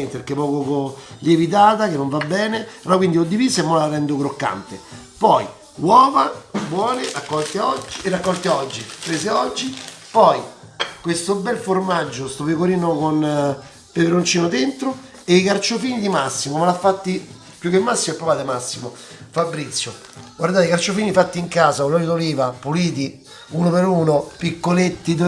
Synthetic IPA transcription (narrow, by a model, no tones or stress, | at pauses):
ɛnt̪epekːepɔːkokolievit̪̬aːt̪akenːoɱvabːɛːnepeɾɔkwind̪iod̪ːivisemːolarɛnd̪okɾokːa̰nt̪e | pɔj | wɔːvabwɔːneʔakːɔlt̪eɔd͡ʒːierakːɔlt̪eɔd͡ʒːipɾeːseɔd͡ʒːipɔjkwest̪obɛlformad͡ʒːost̪opekoɾiːnokon | p̪eveɾont͡ʃiːnod̪ent̪ɾo | eikart͡ʃofiːnid̪imasːimomalafːat̪ːi | pjukːemːasːimoepɾovaːt̪emasːimo | fabːɾit̪sːjo | ɡward̪aːt̪ikart͡ʃofiːnifat̪ːiŋkaːzaolːɔlid̪oliːvapuliːt̪̬i | unopeɾuːnopikːolet̪ːi